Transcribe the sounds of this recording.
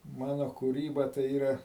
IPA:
ˈmɑːnoː kuːˈrʲiːbɐ tɐɪ ˈiːrɐ

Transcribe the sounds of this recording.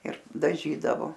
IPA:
ɪr dɐˈʒʲiːdɐʋoː

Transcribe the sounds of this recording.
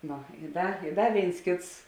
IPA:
ˈnʊ ɪ ˈdɐ ɪ ˈdɐ ˈʋʲeːɪns ˈkʲeːts

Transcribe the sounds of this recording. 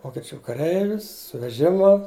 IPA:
ʋoːkʲɛˈt͡ʃʲuː kɐˈrʲɛɪʋʲɪs sʊ ʋʲɛˈʒʲɪmʊ

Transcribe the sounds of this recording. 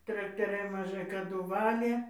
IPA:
trɐktɐˈrʲɛɪ mɐˈʒɐɪ kɐˈdʊ ˈʋɑːlʲeː

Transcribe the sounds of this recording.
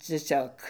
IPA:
t͡sʲiɛˈsʲoːk

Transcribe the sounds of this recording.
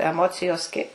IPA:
ɛˈmoːt͡sʲɪjoːs ˈkɐɪp

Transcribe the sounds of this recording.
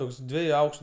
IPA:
ˈtoːks ˈdʲʋʲiɛjʊ ˈɐʊkʃtʊ

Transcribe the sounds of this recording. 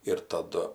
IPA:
ɪr tɐˈdʊ

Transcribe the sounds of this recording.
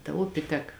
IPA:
tɐ ˈʊpʲɪ ˈtʲɛk

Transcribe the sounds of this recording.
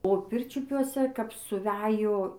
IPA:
oː ˈpʲɪrʲt͡ʃʲʊpʲuɔsʲɛ kɐp sʊˈʋʲæːjoː

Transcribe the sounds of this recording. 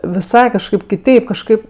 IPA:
ʋʲɪˈsɐɪ kɐʃˈkɐɪp kʲɪˈtʲɛɪp kɐʃˈkɐɪp

